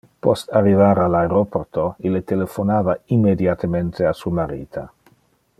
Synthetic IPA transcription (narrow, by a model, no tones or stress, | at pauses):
pɔst̪arːivaːɾalaeɾoport̪oilːet̪elefonaːvaimːed̪jat̪ement̪ʰeasuamaɾḭːt̪ʰa